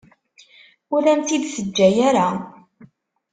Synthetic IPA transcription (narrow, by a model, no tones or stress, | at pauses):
ʊɾæmt̪id̪səd͡ʒːæjaɾa